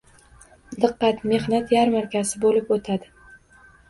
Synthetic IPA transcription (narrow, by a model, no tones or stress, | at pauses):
d̪ɨqːɑt̪me̞hnat̪jaɾmaɾkʲʰazɪbolɪpot̪ʰad̪ɪ